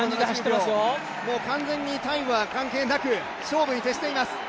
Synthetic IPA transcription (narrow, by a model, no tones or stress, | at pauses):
ãd͡ʑideaɕit̪ːemassɨjo | mo̞ːkãnd͡zẽ̞ɲ̟ːit̪ãĩβakãŋke̞ːnakɯ̟ | ɕo̞ːbɯ̟ɲ̟it̪e̞ɕi̥t̪eimasɨ̥